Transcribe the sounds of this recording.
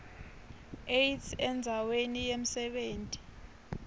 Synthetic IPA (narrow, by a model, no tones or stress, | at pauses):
ejtsɛnd͡zʱawenijem̩sɛɓeːntʼi̥